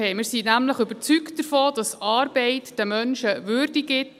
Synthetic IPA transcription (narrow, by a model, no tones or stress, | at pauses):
ɛɪmɪːɾsiːnæmləχʏbəɾt͡syktdəfoːdɑsɑːɾbɛɪtd̥əmœnʃəʋʏɾdiɡɪt